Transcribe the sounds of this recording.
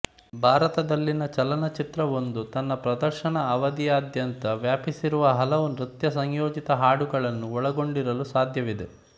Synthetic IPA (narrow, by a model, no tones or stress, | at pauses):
bʱaːɾɐt̪ɐd̪ɐlːinɐt͡ʃɐlɐnɐt͡ʃit̪ɾɐʋo̞nd̪ut̪ɐnːɐpɾɐd̪ɐɾʃɐɳɐːʋɐd̪ijaːd̪jɐnt̪ɐʋjaːpisiɾuʋɐɦɐlɐʋunɾut̪jɐsɐɲjoːd͡ʒit̪ɐɦaːɽuɡɐɭɐnːuɔɭɐɡo̞ɳɖiɾɐlusaːd̪ʱjɐʋid̪e